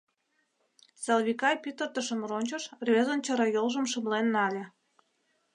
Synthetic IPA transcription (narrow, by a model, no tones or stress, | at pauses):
sɑlβʲikɑjpyt̪ə̆rt̪ə̆ʃə̆mronʲt͡ɕɤ̆ʃrβezə̆nt͡ɕɤ̆ɾɑjolˠʒə̆mʃəmlenːɑlʲĕ